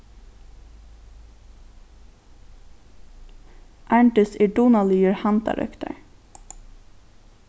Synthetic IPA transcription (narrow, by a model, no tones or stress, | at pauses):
ʔæɳʈʏsɪɖuːnɑlyːəɹhɑnt̪ɑ̰ɾʔœ̰kt̪ə̰ɹ